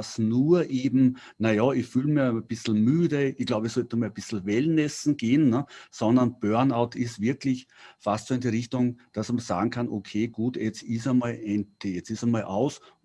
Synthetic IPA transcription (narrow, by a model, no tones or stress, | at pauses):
snuːɐʔeːbm̩ | nɐjɑɪçfyːlmiəb̥ɪsl̩myːdəɪç̥laʊbəɛsɔltnʊmab̥ɪsl̩vɛlnɛsn̩ɡ̥eːənːəsɔndɐnb̥œɐnaʊtʰɪsvɪɐklɪçfastsoːɪndiːʁɪçtʊŋd̥asmɐsa̰ːɡŋ̩kʰanʔokʰeːɡ̥uːtjɛt͡stɪsəmalɛn̥jɛt͡sɪsəmalʔaʊs